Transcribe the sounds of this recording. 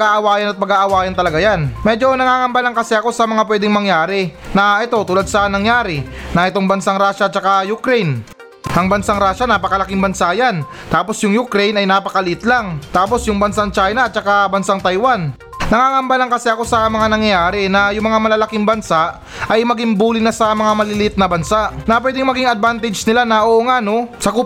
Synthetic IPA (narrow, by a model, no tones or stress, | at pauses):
ɡaʔɐwaːjɐnɐt̪̚pɐɡaʔɐwaːjɐnt̪ɐlɐɡajanmɛd͡ʒo̞nɐŋaːŋɐmbalɐŋkɐsɛɐko̞sɐmɐŋapwɛːd̪ɪŋmɐŋjaːɾɪnɐʔɛt̪o̞t̪uːlad̪̚sɐnɐŋjaːɾɪnɐʔɛt̪o̞ŋbɐnsaŋɾaːʃɐt̪̚t͡ʃɐkajʊkɾɛjn | ʔɐŋbɐnsaŋɾaːʃanapɐkɐlɐkiŋbɐnsaːjan | t̪aːpo̞sjʊŋjʊkɾɛjnɐjnaːpɐkɐlit̪laŋt̪aːp̬o̞sjʊŋbɐnsaŋt͡ʃajnɐt̪̚t͡ʃɐkabɐnsaŋt̪ɐjwan | nɐŋaŋɐmbalɐŋkɐsɛɐko̞sɐmɐŋanɐŋjjaːɾɪnɐjʊŋmɐŋamɐlɐlɐkiŋbɐnsaʔ | ɐjmɐɡɪŋbuːlɪnasɐmɐŋamɐlɪlɪt̪̚nɐbɐnsaʔnɐpwɛːd̪ɪŋmɐɡiŋɐd̪̚bant̪ɛd͡ʒnɪlanɐʔoʔoŋano̞sɐku